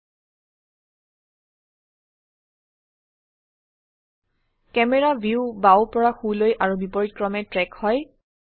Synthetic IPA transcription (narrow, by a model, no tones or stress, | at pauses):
kɛmɛɹabʱiubawpɔɹaxulojʔaɹubipɔɹitkɹɔmɛtɹɛkhɔj